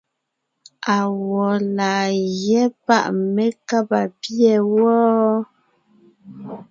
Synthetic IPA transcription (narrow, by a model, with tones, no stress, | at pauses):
a˨wɔ˨laː˨jɛ˦pa̰˦ʔme˦ka˦pa˨pjɛ˨wɔː˦